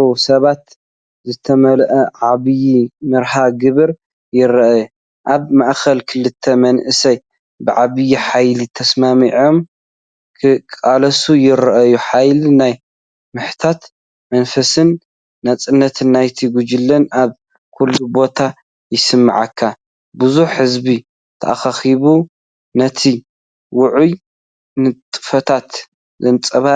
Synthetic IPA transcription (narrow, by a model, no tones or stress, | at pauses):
sɐβat̪ | zɨt̪ʰɐmɐlʔɐʕaβɨjimɨɾhaɡɨβɨɾ | jɪɾɐʔaju | ʔaβmaʔxɐlkʰɨlɨt̪ʰːɐmɐnʔɨsɐj | bɨʕaβɨjiħajlit̪ʰɐsmamiʕo̞m | kʰɨkʼalɐsujɪɾɐʔɐjuħajlinaj | mɨħt̪ʰat̪ | mɐnfɐsɨnː | ɐt͡sʼɨnːɐt̪ʰɨnːajt̪ʰiɡud͡ʒɪlːɐnaβ | kʰulːubo̞t̪ʰa | jɪsɨmːa̰ʕakʰːa | bɨzuħɨzbi | t̪ʰɐʔa̰xaxiβu | nɐt̪ʰi | wʊʕuj | nɨt̪ʼɨ̥fɐt̪ʰat̪ | zɐnt͡sʼɐβa